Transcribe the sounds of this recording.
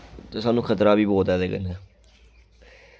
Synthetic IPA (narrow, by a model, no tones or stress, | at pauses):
t̪eːsaːnũːkʰət̪ɾaːbiːboːt̪ɛːd̪eːɡə̰nɛː